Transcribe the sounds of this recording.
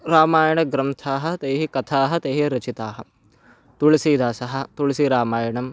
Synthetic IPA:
ɾaːmaːjɐɳɐɡɾɐmt̪ʰaːɦɐ̆t̪eːɦikɐt̪ʰaːɦɐ̆t̪eːɦiɾɐt͡ʃit̪aːɦɐ̆ | t̪uɭɐsiːd̪aːsɐɦɐ̆t̪uɭsiɾaːmaːjɐɳɐm

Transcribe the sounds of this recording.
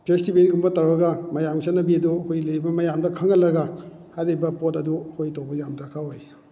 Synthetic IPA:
pestibeɾiɡumbɐtaɾbɐɡɐmɐjamsanɐbiɐduɐkʰojlɐjɾibɐmɐjamdɐkʰɐŋːɐlɐɡɐ | hajɾibɐpotɐduɐkʰojtobɐzamtɾakʰaɦoj

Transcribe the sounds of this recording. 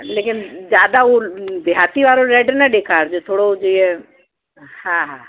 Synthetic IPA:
leːkɪnd͡ʒjaːd̪aob̪jaːt̪iʋaːɾoɾɛːɖnɛɗeːkʰaːɾd͡ʒot̪ʰoːɽod͡ʒiːɛ̃ | hãːɦãː

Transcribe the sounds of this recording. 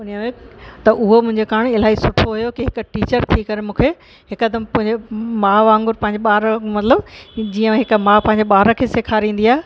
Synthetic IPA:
ʊnijəmẽt̪ɐʔʊɦomʊ̃ɦɪ̃ɲd͡ʑekaːɽ̃ɪlaːisʊʈʰoɦujokiɦɪk̆ʈiːt͡ɕəɾt̪ʰikɐɾemũːkʰe | ɦɪkəd̪əmpʊ̃ɦɪ̃ɲemãːʋãːŋɡʊɾpɐ̃ɦɪ̃ɲd͡ʑeɓaːɾəmɐt̪ləbd͡ʑiːə̃ɦɪkmãːpɐ̃ɦɪ̃ɲ̆d͡ʑeɓaːɾəkʰeːseːkʰaːɾĩːn̆d̪iaːe

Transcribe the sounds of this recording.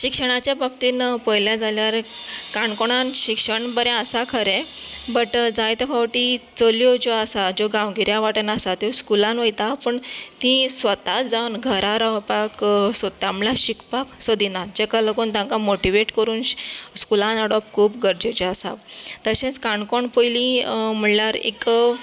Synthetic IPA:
ɕikʂəɽ̃at͡ɕjabʱakt̪iːnpəjljad͡zaljaɾekaɳkoɽ̃anɕikʂəɳbəɾɛ̃əsakʰəɾẽbəʈd͡zajt̪efʰaʋʈit͡səljod͡ʑoəsad͡ʑoɡãʋɡiɾjaʋaʈənasat̪joskulãnʋəjt̪apəɳt̪ĩsʋət̪at̪d͡zawnɡʱəɾaɾapaksot̪amlaɕikpaksəd̪inat̪d͡ʑekaləɡuːnt̪jãŋkamoʈiʋeʈkəɾuːnɕskulãnəɽɔp̚kʰuːpɡəɾd͡ʑot͡ɕɔasa̰t̪əɕẽt͡skaɳkɔɳpojlĩm̤əɳljaɾḛk

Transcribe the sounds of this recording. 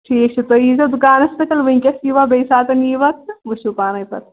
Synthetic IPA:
ʈʰiːk̚t͡ʃʰet̪oizɐd̪ukaːnɐspɐt̪ɐlʋɐĩkʲɐsiʋabejsaːt̪ɐniʋɐt̪ʋɨʃupaːnɐjpɐ̰t̪

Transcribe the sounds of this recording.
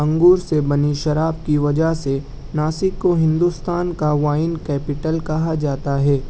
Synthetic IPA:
ɐ̃ŋɡuːɾsebɐniʃɐɾaːb̚kiʋɐd͡ʒəɦse | naːsɪkːoɦɪ̃nd̪uːst̪aːnkaʋaːɪnkɛːpɪʈəlkɐɦad͡ʒaːt̪aɦɛː

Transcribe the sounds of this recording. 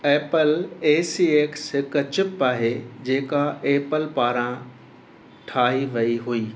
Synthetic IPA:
eːpəleːsiːeːksɦɪkt͡ɕɪpaːɦed͡ʑeːkaeːpəlpaːɾã | ʈʰaːɦiʋɐiɦuiː

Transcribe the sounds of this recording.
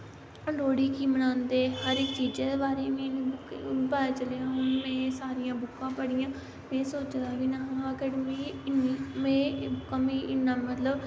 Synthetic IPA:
loːɽiːkiːmənãːnd̪eːɦəɾɪkt͡ʃiːd͡ʒeːd̪eːbaːɾeːmẽːnĩːpaaːt͡ʃəleːãːɦʊnmɛ̃ːsaːɾɪjãːbʊkːãːpəɽɪjãː | mɛ̃ːsoːt͡ʃd̪aːʋiːnaɦãːkəɽmĩːɪnːiːmẽːbʊkːãːmiːʔɪnːãːmət̪ləb

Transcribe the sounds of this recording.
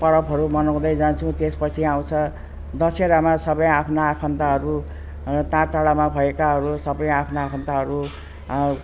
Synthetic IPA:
pʌɾʌbɦʌɾumʌnʌw̃d̪ʌjd͡zant͡sʰũt̪espʌt͡sʰiaw̃t͡sʰʌ | d̪ʌseɾamasʌbʌjapʰnaakʰʌnt̪aɦʌɾu | t̪ãʈaɽamabʱʌekaɦʌɾusʌbʌjapʰnaːpʰʌnt̪aɦʌɾu

